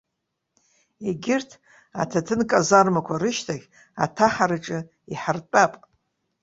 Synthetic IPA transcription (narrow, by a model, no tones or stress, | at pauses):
eɡʲɪrtʰ | a̰tʰatʰɨnkʼazarmakʷʰaɾɨʃtʰaɡʲ | a̰tʰaħaɾɨʈ͡ʂʼɨ | iħart͡pʼapʼ